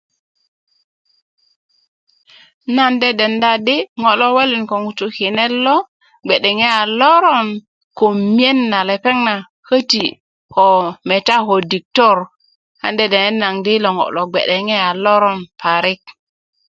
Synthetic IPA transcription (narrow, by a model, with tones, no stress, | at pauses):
na˦nde˦de˨nda˦di˦ŋo˨lo˦we˦li˨nko˨ŋu˨tu˨ki˨ne˦lːo˦ | ɡ͡be˨ɗe˨ŋe˦a˨lo˦ɾo˦n | ko˨mi˦e˦nːa˨le˨pe˦ŋna˨ | kə˦ti˨ | ko˨me˨ta˦ko˨di˨k̚to˦˨ɾ | ha̰˨nde˨de˨ne˦nːa˨ŋdi˦lo˨ŋo̰˨lo˨ɡ͡bḛ˨ɗe˨ŋe˦a˨lo˦ɾo˦npa˨ɾi˦k̚